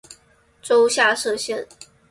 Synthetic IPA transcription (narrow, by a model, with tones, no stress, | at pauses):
ʈ͡ʂo˥ʊɕja˥˧ʂɤ˥˧ɕjɛ˥˩n